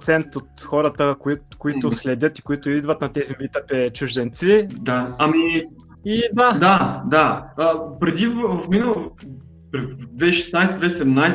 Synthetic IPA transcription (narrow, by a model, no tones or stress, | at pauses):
t̪sɛnt̪ot̪xɔɾət̪əkikoit̪ʊslɛd̪ʲɤt̪i̥koit̪ʊid̪vət̪nɐt̪ɛzimit̪ɛpɛt͡ʃuʒd̪ɛnt̪sid̪aami | id̪ad̪ad̪aəpɾɛd̪ivvfminəlˠ | pɾd̪vɛʃɛ̥snajsɛd̪vɛsɛd̪ɛmnajs